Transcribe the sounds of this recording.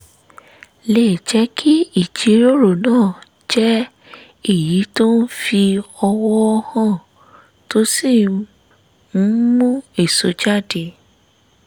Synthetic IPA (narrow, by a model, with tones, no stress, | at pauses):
leː˨d͡ʒɛ˨˦kʰi˦i˦˨d͡ʒe˨˦ɾo˦ɾo˦˨nãː˦˨ | d͡ʒɛ˦ | i˦˨ji˨˦to˦n̩˦fi˧ɔ˧wɔ˦ɔ˧hã˦˨ | to˦si˦˨ | m̩˦mũ˦e˦˨so˨˦d͡ʒa˦˨de˨˧˨